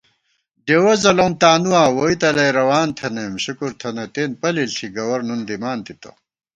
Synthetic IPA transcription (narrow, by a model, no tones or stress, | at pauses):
ɖewɐzɐloːmt̪aːnuwaːwoit̪ɐlɐjɾɐwaːnt̪ʰɐnemɕukuɾt̪ʰɐnɐt̪eːnpɐlilt̪ʰiɡɐwɐɾnund̪imaːnt̪it̪ɐ̰